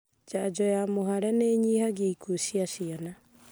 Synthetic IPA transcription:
d͡ʒad͡ʒɔjamoɦaɾɛneɲihaɡaikʰoɕiaɕiana

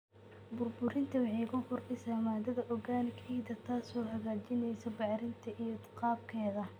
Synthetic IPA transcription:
bʊrbʊɾɪnt̪ʰɐwɑħiːɣʊfʊrʔɪsɐmaːd̪ɐðɐʔɔɣaːnɪkʰiːd̪ɐt̪ʰaːsɔːhɐɣaːt͡ʃɪnɛjsɔbɑʕɾɪnt̪ʰɐʔijɔt̪qɑːb̚kʰɛːðɐ

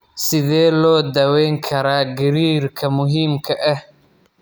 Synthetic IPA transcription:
sɪðɛːlɔːd̪ɐwɛjŋkʰɐɾaːɡɪɾiːrkʰɐmʊɦiːmkʰɐʔɐh

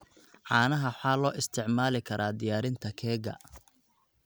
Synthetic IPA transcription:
ʕɑːnɐɦɐħaːlɔːʔɪst̪ʰɪʕmaːlɪkʰɐɾʔaːd̪ɪjaːɾɪnt̪ʰɐkʰɛːɣɐ̰

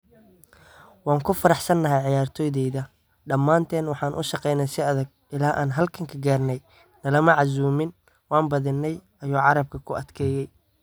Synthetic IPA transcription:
wɑːŋkʰʊfɐɾɑħsɐnːɐɦɛjʕɪjaːrt̪ʰɔːjðɛjðɐ | ɖɐmːaːnt̪ʰɛːnwɑħɑːnʔʊ̰ʃɑqɛjnɛjsɪɐðɐɡ̚ʔɪlaːʔa̰ːnɦɐlkʰɐŋkʰɐɡaːrnɛj | nɐlɐmɐʕɑs̬uːmɪn | wɑːnbɐðɪnːɛj | ɐjuːʕɑɾɐb̚kʰɐkʰʊɐd̪̥kʰɛːjɛj

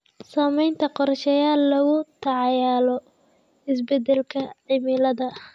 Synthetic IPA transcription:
saːmɛjnt̪ʰɐqɔrʃɛjaːlːɐɣʊt̪ʰɑʕɑjaːlɔ | ɪsbɛd̪ɛlkʰɐʕɪmɪlɐðɐ

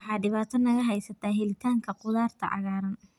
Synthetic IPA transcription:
ħɑːɖɪβaːt̪ʰɔnɐɣɐɦɛjsɐt̪ʰaːɦɛlɪt̪ʰaːŋkʰɐqʊðaːrt̪ʰɐ̰ʕɑ̰ɣaːɾɐn

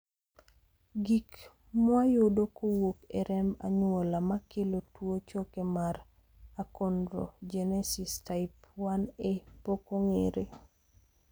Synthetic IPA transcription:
ɡik | mwajodokowokeɾɛmba̰ɲwolamakelotwot͡ʃokemaɾ | akondɾo̰d͡ʒɛnɛsistaɪpwanepokoŋeɾe

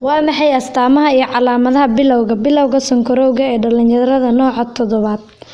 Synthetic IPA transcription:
wɑːmɑħɑjɐst̪ʰaːmɐɦɐijɞʕɑlaːmɐðɐɦɐbɪlɔwɣɐbɪlɔwɣɐsɔŋkʰɔɾɔwɣɐɛːɖɐlɪnjɐðɾɐðɐnɔːʕɐt̪ʰɔðɔβaːd̪̥

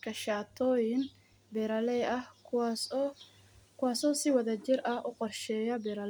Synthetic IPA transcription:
kʰɐʃaːt̪ʰɔːjɪn | bɛɾɐlɛɐhs | kʰʊwɑːsɔːsɪwɐðɐt͡ʃɪrɐhʔʊqɔrʃɛːjɐbɛɾɐlɛ

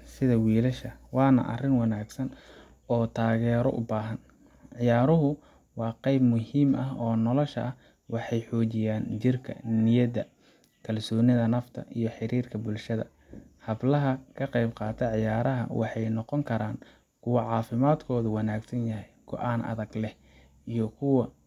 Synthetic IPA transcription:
sɪðɐwiːlɐʃɐwɑːnɐ̰ʔɐ̰rɪnwɑnaːɡsɐn | ɔːt̪ʰaːɣɛːɾɔ̰ʔʊ̰baːɦɐn | ʕɪjaːɾʊɦʊ | wɑːqɛjbmʊhiːmʔɐɦɔːnɔlɔʃɐɐh | wɑħɑjħɔːt͡ʃɪjaːnt͡ʃɪrkʰɐ̰nɪjɐdɐ | kʰɐlsɔːnɪðɐnɐft̪ʰɐ̰ʔijɞħɪɾiːrkʰɐbʊlʃɐðɐ̰ | hɐblɐɦɐkʰɐqɛjbqɑːt̪ʰɐʕɪjaːɾɐɦɐ̰wʔɑ̰ħɑjnɔqɔŋkʰɐɾaːn | kʰʊwɑʕɑːfɪmaːd̪kʰɔːðʊwɑnaːɡsɐnjɐɦɛjɡ̥ɔ̰ʔaːnɐ̰ðɐɡlɛh | ʔijɔkʰʊwɑ

